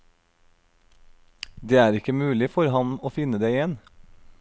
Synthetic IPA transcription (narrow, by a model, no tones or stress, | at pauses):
d̪eːæːɾɪkəmʉːlɪfɔɾhɑnoːfɪnəd̪eːɪjɛn